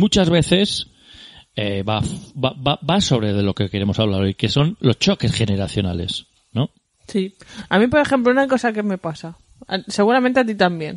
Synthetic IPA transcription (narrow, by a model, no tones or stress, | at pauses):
mũt͡ʃazβe̞θe̞s | eβafbababaso̞β̞ɾe̞ðe̞lo̞ke̞ke̞ɾe̞mosaβlaɾojke̞so̞nlo̞st͡ʃo̞ke̞sχe̞ne̞ɾaθjo̞na̰le̞̰s | no̞ | siamĩpo̞ɾe̞xe̞mp̬lounako̞sakeme̞pasa̰ | se̞ɣuɾament̪e̞at̪̬it̪ambje̞n